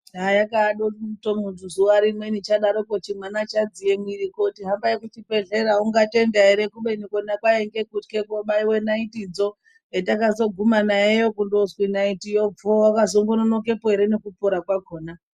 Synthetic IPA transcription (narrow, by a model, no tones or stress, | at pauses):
ajakaːɗoutomuntuzuwaɾimwenit͡ʃaɗaɾokot͡ʃimwanat͡ʃad͡zijemwiɾikotiɦambajekutibe̞ɮe̞ɾauŋɡate̞ndaeɾe̞kuɓenikonakwaeŋɡe̞kutkekoɓaiwe̞naitid͡zo̞ | etakazo̞ɡʱumanaejo̞kundozwinaitijob͡vowakazoŋɡononoke̞poɦe̞ɾe̞ne̞kupoɾakwako̞ːna